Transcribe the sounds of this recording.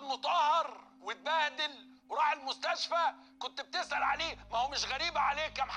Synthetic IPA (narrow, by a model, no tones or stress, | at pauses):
mʊt̪ˤɑhɑɾˤ | wɪt̪̚bæːd̪ɪl | wɾˤɑːħelmʊst̪æʃfæ | kont̪b̚t̪ɪsʔælʕaleːmæhoːmɪʃɣæɾiːbæʕaleːkːæmħ